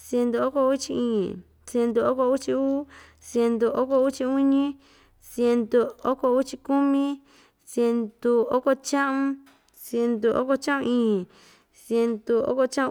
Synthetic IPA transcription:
sje˧nd̪u˧o˦ko˧u˦t͡ʃi˧ĩ˦˨ | sje˧nd̪u˧o˦ko˧u˦t͡ʃi˧uː˦ | sje˧nd̪u˧o˦ko˧u˦t͡ʃi˧u˦ɲĩ˦ | sje˧nd̪u˧o˦ko˧u˦t͡ʃi˧ku˦mĩ˦ | sje˧nd̪u˧o˦ko˧t͡ʃã˦ʔũ˧ | sje˧nd̪u˧ʔo̰˦ko˧t͡ʃã˦ʔũ˧ĩː˦˧˨ | sje˧nd̪u˧o̰˦ko˧t͡ʃã˦˧

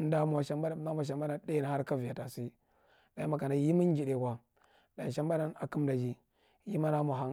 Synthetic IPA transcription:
n˦da˦m˨a˨ʃa˦ma˦a˦m˨a˨ʃ̬a˨mba˦na˦de˦na˨ha˦ɾka˦vi˨ja˨ta˨si˦ | da˨ji˦ma˨ka˨na˨ji˦mi˦n˦d͡ʒi˨ɗe˨kʷa˨ | da˨i˨ʃa˦mba˦na˦na˨ki˦mda˨d͡ʒi˦ | ji˦ma˦na˦mʷ˨a˨ɦa˦

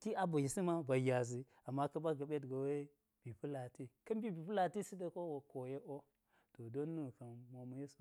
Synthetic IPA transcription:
ki˦a˦bu˨ji˨si˦ma˦ba˨ja˨zi˨ | a˨mːa˦kɐ˦ba˦ɡa˨ɓe˦tɡa˨we˦ | b̥i˨pu˦la˨ti˦kɐ˦mbi˦bi˨pu˦la˨ti˦si˦da˦ko˦wo˨ko˨je˦ʔo˦ | to˨do˦nːu˦˨ka˨nmo˨ma˨˦je˦su˨

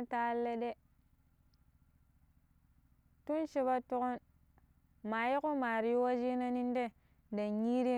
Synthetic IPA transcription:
ta˦lːe˦de˦ | tu˦nʃi˦ba˦tu˦ko˦n | ma˨ji˦ku˦ma˨ɾi˨jwa˦d͡ʒi˦na˦ni˦n˦de˦ | da˨ɲi˦ɾi˦

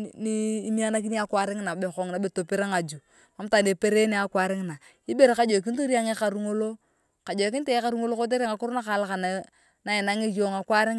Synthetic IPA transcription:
ni˦mi˦a˦na˦k̬i˦ni˦a˦kwa˨˦ɾɪ˦ŋ˦na˨be˨ko˨ŋna˨˦be˨to˨pe˦ɾa˦ŋa˨d͡ʒu˨ | ma˨m˦ta˨ne˨pe˦ɾe˦ne˨˦a˨kwa˨ɾɪ˦ŋ˨na˨ | i˦be˦ɾka˦d͡ʒo˨k̬i˦to˦ɾi˦a˦ŋe˦ka˨ɾu˦ŋo˦lo˦ | ka˨d͡ʒɔ˨kɪ˦n˦te˦e˦ka˦˨ɾu˦ŋo˦lo˦ko˦t̬e˦ɾa˦ŋa˨kʊ˦ɾna˦ka˨la˦ka˨na˨ | na˨˦i˨na˦ŋe˦jo˨ŋa˨kwa˦ɾɪ˦ŋ

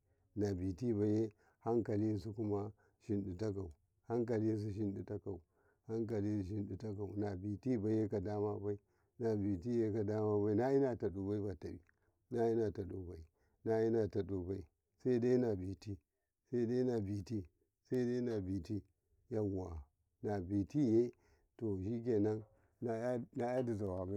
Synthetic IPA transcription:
na˨bi˨ti˦ba˨je˦ | ha˦ŋka˨li˦s̬u˦ku˦ma˦ | ʃi˦nɗi˨ta˦k̬a˨u˨ | ha˦ŋk̬a˨li˦s̬u˦ʃ̬i˦nɗi˨ta˦ka˨u˨ | ha˦ŋk̬a˨li˦˨ʃ̬i˦nɗi˨ta˦k̬a˨u˨na˨bi˨ti˦ba˨je˦ka˨da˦ma˦ba˦i˦ | na˨bi˨ti˦je˦ka˨da˦ma˦ba˦i˦na˦ji˦na˨ta˨ɗu˨ba˦i˦ba˨ta˨bḭ˦˨ | na˦ji˦na˨ta˨ɗo˨ba˨i˨ | na˦ji˦na˨ta˨ɗo˨ba˦i˨ | sa˦da˦na˨bi˨ti˦ | sa˦i˦da˦na˨bi˨ti˦ | sa˦da˦na˨bi˨ti˦ | ja˦˨a˨ | na˨bi˨ti˦je˦ | to˨ʃi˦k̬ʲe˨na˦n | a˨˦na˨ja˦di˨za˨wa˨ba˦

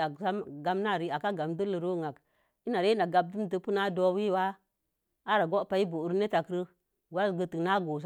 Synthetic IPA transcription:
a˨sa˦mɡa˦mna˦˨ɾi˨˦a˨ka˦ɡa˨mdə˦lə˨ɾo˦˨ŋa˨k | i˦na˨ɾe˦na˨ɡa˦b̚du˦m˦tə˨pu˦na˦do˦wi˦˨wa˦ | a˦ɾa˨ɡo˦pa˨i˦bu˨ɾne˦ta˨kɾə˦ | wa˦sɡə˨tə˨na˦ɡo˨s̬

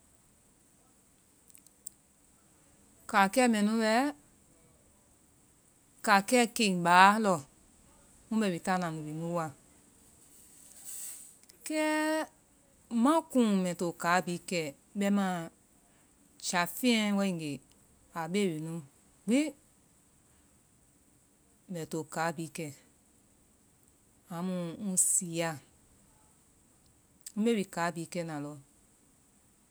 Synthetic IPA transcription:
ka˨kɛː˦mɛ̃˨nũ˦ɓɛ˧˦ | ka˨kɛː˦ke˨ĩ˨ɓaː˨˦lɔ˧˨ | mũ˦ɓɛ˧˨we˨ta˦˨nã˨nũ˨bi˨mũ˦wa˧˨ | kɛː˦ | mã˦kũ˦˨mɛ̃˨to˨kaː˨˦biː˨˦kɛː˨ | ɓɛ˧˦mã˦˨ | t͡ʃa˨fĩ˦ɛ̃˦wɛ˧ĩ˦˧ŋ˨e˨ | a˨ɓe˦˨wi˨nũ˦ | ɡ͡bi˦ | mɛ̃˨to˨kaː˨˦bi˨˦kɛ˦˨ | ã˨˦mũ˧˦ŋũ˦si˨˦a˧˨ | ŋũ˦ɓe˦wi˨kaː˨˦bi˨˦kɛ˧˦˨nã˨lɔ˧˨

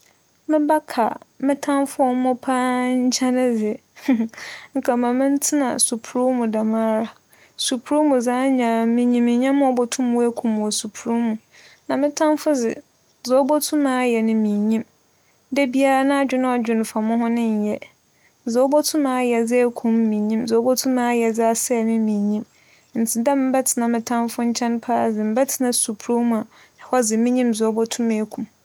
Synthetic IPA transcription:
mɪ̃˦ba˦kʰa̰˨mɪ̃˦tʰã˦mfʊ˦ɔ˨˦mɔ̃˦pʰã˦ɲ̩˦t͡ɕʰa˦nɪ̃˦d͡zɪ˨ | ŋ̩˨kʰa˨mã˨mɪ̃˦n̩˦tʰɪ˦nã̰˨su˨pʰu˨ɾu˦mũ˨da˨mãː˦ɾa˨ | su˨pʰu˨ɾu˦mũ˨za˦ɲã˨mɪ̃˨ɲĩ˨mɪ̃˨ɲã˦mʊ̃˦ɔ˨bɔ˦tʰũ˦m˨˦ɛ˦kʰũ˨m˨ɔ˨su˨pʰu˨ɾu˦mũ˨ | nã˨mɪ̃˦tʰã˦mfʊ˦d͡zɪ̰˨ | zo˨o˦bɔ˦tʰʊ̃˦mãː˦jɛ˨nʊ̃˨mĩ˨ɲĩ˦m | dɛ˦bi˦a˦ɾa˦nã˦a˨d͡ʑᶣɪ˦nʊ̃˦a˨d͡ʑᶣɪ˨n˨fa˨mʊ̃˦ɦʊ̃˦nɪ̃˦ɲ̩˨jɛ˦ | zo˨˦bo˦tʰũ˦mã˨˦jɛ˨d͡zɪ˦kʰũ˨mː˦ĩ˨ɲĩ˦mzo˨˦bo˦tʰũ˦mãː˦jɛ˨d͡zɪ˦a˨sɛ˦˨mɪ̃˦mĩ˨ɲĩ˦m | n̩˨tʰɪ˨dɛ˦m̩˦bɛ˦tʰɪ˨nã˨mɪ̃˨tʰã˦mfʊ˦ɲ̩˦t͡ɕʰɛ̃˦npʰa˦˨d͡zɪ˨m̩˦bɛ˦tʰɪ̥˨nã˨su˨pʰu˨ɾu˦mũ˨a˨ | nã˨hɔ˦d͡zɪ˨mɪ̃˦ɲĩ˦mzo˨˦bo˦tʰũ˦me˨e˦kʰũ˨m

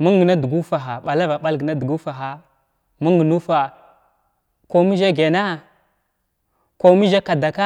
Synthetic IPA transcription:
mu˦ŋɡna˦du˨ɡu˦fa˨ɦa˨ɓa˨la˦va˨ɓa˦lɡə˨na˦du˨ɡu˦fa˨ɦa˦ | mu˦ŋɡnu˦fa˨ | ko˦mi˦ʒa˦ɡe˨na˦ | ko˨mi˦ʒa˦ka˨da˨ka˦

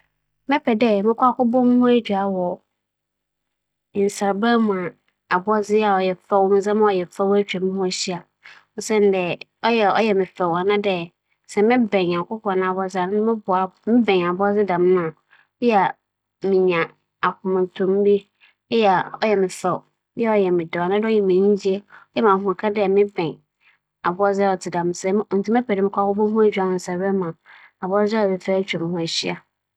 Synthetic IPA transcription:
mɪ̃˦pʰɛ˨dɛ˦mɪ̃˦kʰʷʊ˦a˦kʊ˦bɔ˦m̃˦hʊ̃˦æ˦d͡ʑᶣa˨wɔ˨ | n̩˨sa˨ɾba˦mũ˨a˨ | a˨bɔ˦zɪ˦a˨ɔ˨jɛ˨fɛ˦wmɪ̃˨zã˦m̃˦ɔ˨jɛ˨fɛ˦wæ˦t͡ɕᶣa˨mʊ̃˦hʊ̃˦æ˨ɕi˦a˨ | ɔ˨sɛ̃˦n˦dɛ˨ | ɔ˦jɛ˨ɔ˦jɛ˨mɪ̃˨fɛ˨wa˨nã˦dɛ˦ | sɛ˨mɪ̃˦bɛ̃˨ɲã˨ŋ˨kʊ˦kʰɔ˨nã˨a˨bɔ˦zɪ˦˨a˨nɪ̃˦nʊ̃˦mɪ̃˦bʊ˨a˨mɪ̃˦bɛ̃˨a˨bɔ˦zɪ˦dã˨m˦a˨˦ | jɛ˦a˨ | mɪ̃˨ɲã˨ | a˨kʰʊ̃˨mã˨tʰʊ̃˨m˦bi˦ | jɛ˦˨ɔ˦jɛ˨mɪ̃˨fɛ˨w | ɛ˦ɔ˦jɛ˨mɪ̃˨dɛ˨a˨nã˦dɛ˦ɔ˦jɛ˨mĩ˨ɲĩ˦d͡ʑi˦e˦ɔ˦jɛ˦mã˨ɦʊ̃˨kʰa˦dɪ˦ɛ˨mɪ̃˦bɛ̃˨ɲ | a˨bʊ˦ɔ˦zɪ˦a˦˨ɔ˨tʰɪ˨dã˨m˦sɛ˨˦n̩˨tʰu˦mɛ̃˦pʰɛ˨dɪ˦mɪ̃˦kʰʷa˦wɔ˦bɔ˦ɦũ˦æ˨d͡ʑᶣa˨nʊ̃˨n˨sɛ˨bɛ˦mã˨a˨bʊ˦ɔ˦za˦ɔ˨ɛ˨fɛ˦t͡ɕᶣɛ˨m˦hʊ̃˦æ˨ɕi˦a˨

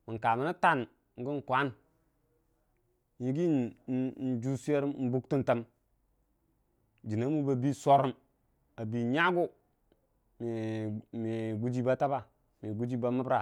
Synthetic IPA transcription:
mi˨ŋ˨ka˨mi˨na˦ta˦˨n | ŋ˦ɡi˦n˨kʷa˨˦n | ɲi˨˦ɡi˦n˦n˦d͡ʒu˦su˦e˦ɾmn̩˦bu˦ktu˦nta˦m | d͡ʒi˨na˨˦mu˦ba˨bi˦so˦ɾu˦m | a˨bi˨ɲa˦ɡu˦ | me˨me˨ɡu˦d͡ʒi˦ba˦ta˦ba˨ | me˨ɡu˦d͡ʒi˦ba˨ma˦bɾa˨

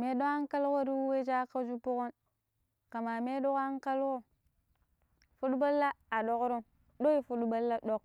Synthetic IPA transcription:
me˦ɗo˦ka˦ŋka˦lko˦ɾi˦wu˦we˦d͡ʒa˦ka˦d͡ʒu˦pu˦ko˦n | ka˨ma˨me˦do˦ka˦ŋ˦ka˦lko˦ | fu˦ɗba˦lːa˦a˨ɗo˦kɾo˦m | do˦i˦fu˦dba˦lːa˦ɗo˦k̚

